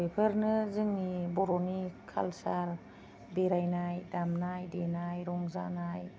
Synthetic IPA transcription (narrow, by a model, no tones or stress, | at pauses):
epʰəɾnɯzɯŋnibɔɾɔnikʰa̰lsaɾ | beɾajnajdamnajdenajɾɔŋza̰naj